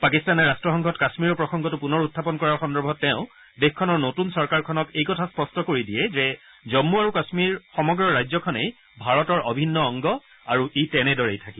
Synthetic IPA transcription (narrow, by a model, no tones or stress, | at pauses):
pakistanɛɹastɹɔxɔŋɡʰʱɔtkasmiɹɔpɹɔxɔŋɡɔtupunɔɹutʰːapɔnkɔɹaɹxɔndɔɹbʱɔtːɛʊ̃ | dexkʰɔnɔɹnotunsɔɹkaɹkʰɔnɔkejkɔtʰaspɔstɔkoɹidiɛzɛ | zɔmːuaɹukasmiɹxɔmɔɡɹɔɹajzɔkʰɔnej | bʱaɹɔtɔɹʔɔbʱinːɔɔŋɡɔ | aɹuʔitɛnɛdɔɹejtʰakĩ